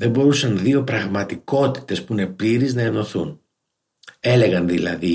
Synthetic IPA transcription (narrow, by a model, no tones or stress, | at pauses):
ðe̞mbo̞ɾusɐnðio̞pɾɐɣmɐt̪iko̞t̪i̥t̪e̞spuine̞pliɾiznɐe̞no̞θun | e̞le̞ɣɐnðilɐ̰ði